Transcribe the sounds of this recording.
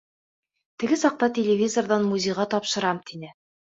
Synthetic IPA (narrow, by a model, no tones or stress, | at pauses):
t̪ɘ̆ɡɘsɒq̚t̪ɑt̪ʲelʲɪvʲizorðɑnmuzʲejʁɑt̪ɒpʃɤ̆ɾɑmt̪inɘ